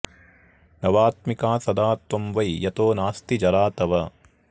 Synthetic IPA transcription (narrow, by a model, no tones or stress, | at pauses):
nɐʋaːt̪̚mikaːsɐd̪aːt̪ʋɐmʋɐjjɐt̪oːnaːst̪id͡ʒɐɾaːt̪ɐʋɐ